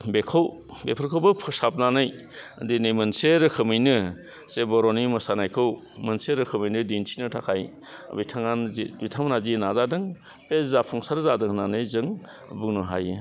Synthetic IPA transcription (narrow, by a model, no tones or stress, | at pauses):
bekʰow | bḛpʰɯɾkʰowbɯpʰɯsap̚nanɯj | ɐ̰dinɯjmɯnseɾɯkʰɯmɯjnɯ | sebɔɾonimɯsanajkʰɯw | mɯnseɾɯkʰɯmijnɯdintʰinɯtʰakʰaj̰ | bitʰaŋanzibitʰaŋmanazinazadɯŋ | pezapʰɔŋsaɾzadɯŋnanɯjzɯŋ | buŋnɯɦa̰jɯ